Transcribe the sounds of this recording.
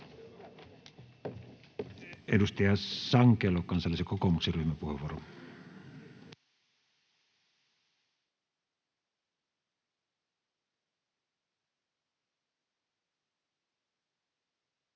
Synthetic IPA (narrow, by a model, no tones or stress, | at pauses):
ʔedust̪ɑjɑsɑŋkˑeːlokɑnsɑlːˑisekokomukseryhmæpuheʋːˑuoro